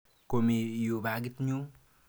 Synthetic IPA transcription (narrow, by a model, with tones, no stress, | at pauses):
komi˨ju˨ba˨ɡi˦t̪ɲu˦